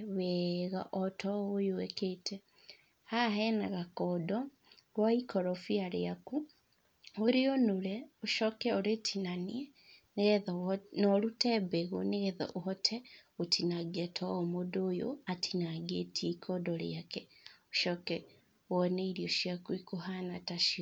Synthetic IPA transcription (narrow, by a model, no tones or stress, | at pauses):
βɛɣaʔɔtʰɔojoɛketɛ | haɦɛnaɣakɔdɔ | ɾwaikɔɾɔfiaɾeaku | oɾeonoɾɛoʃɔkɛoɾetʰinaniɛ | neɣɛðnɔɾutɛbɛɣo̰neɣɛðɔ̰ʔohɔtʰɛotʰinaɡɛtʰɔɔmodojo̰atʰinaɡetʰieikʰɔdɔɾḛakɛoʃɔkɛ | wɔneiɾioʃiakwikohanataʃiɔ